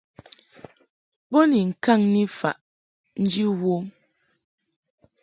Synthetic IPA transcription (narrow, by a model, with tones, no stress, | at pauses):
bo˦ni˨ŋ̩˨ka˦˨ŋni˦fa̰˨ʔ | n̩˦d͡ʒi˦wo˦m